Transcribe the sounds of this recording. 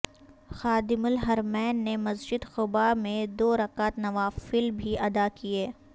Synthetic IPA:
xaːd̪ɪmʊlɦɐɾmɛːnːemɐzd͡ʒɪd̪xʊbamẽd̪oːɾɐkaːt̪nɐʋaːfɪlbʱiʔɐd̪akieː

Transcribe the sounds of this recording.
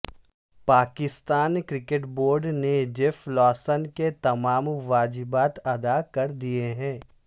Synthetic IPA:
paːkɪst̪aːnkɾɪkeʈboːɾɖned͡ʒɪflɔːsənket̪ɐmaːmʋaːd͡ʒɪbaːt̪ɐd̪akɐɾd̪ieɦɛ̃ː

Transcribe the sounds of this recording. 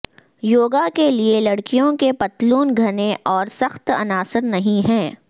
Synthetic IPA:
joːɡakelielɐɽkijõkepɐt̪luːnɡʱɐneʔɔːɾsɐxt̪ɐ̰naːsəɾnɐɦĩɦɛ̃ː

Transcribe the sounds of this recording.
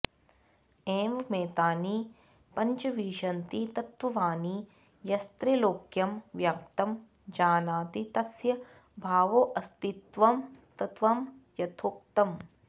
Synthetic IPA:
eːmɐmeːt̪aːni | pɐɲt͡ʃɐʋiːʃɐnt̪it̪ɐt̪ʋɐʋaːni | jɐst̪ɾiloːkjɐmʋjak̚t̪ɐm | d͡ʒaːnaːt̪it̪ɐsjɐ | bʱaːʋoːʔɐst̪it̪ʋɐmt̪ɐt̪ʋɐmjɐt̪ʰok̚t̪ɐm

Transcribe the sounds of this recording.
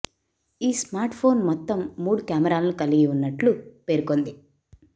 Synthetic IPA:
iːsmaːɾʈpʰo̞ːnmɔt̪ːɐmːuːɽukjaːmɐɾaːlɐnukɐliɡiunːɐʈlupe̞ːɾuko̞nd̪i

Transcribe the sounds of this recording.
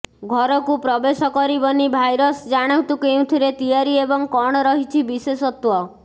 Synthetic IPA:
ɡʱɔɾɔkupɾɔbesɔkɔɾibɔnibʱajɾɔsd͡ʒaɽ̃awt̪ukew̃t̪ʰiɾet̪ijaɾiebɔŋkɔɽ̃ɔɾɔɦit͡ʃʰibisesɔt̪wɔ

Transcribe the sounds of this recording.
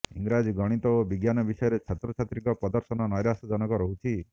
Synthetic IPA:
ḭŋɡɾad͡ʒɡɔɽ̃it̪ɔobiɡjanɔbisɔjɔɾet͡ʃʰat̪ɾɔt͡ʃʰat̪ɾikɔpɾɔd̪ɔɾsɔnɔnɔjɾasɔd͡ʒɔnɔkɔɾɔɦut͡ʃʰi

